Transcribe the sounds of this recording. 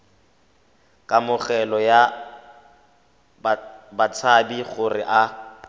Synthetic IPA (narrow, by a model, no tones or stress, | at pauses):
kʼamʊɣɛlɔja | bat͡sʰabiɣʊrɪʔa